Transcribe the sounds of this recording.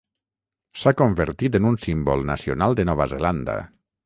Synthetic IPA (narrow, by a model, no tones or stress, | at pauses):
sakombeɾt̪it̪enunsimbɔlˠna̰sionalˠd̪enɔβazeland̪a̰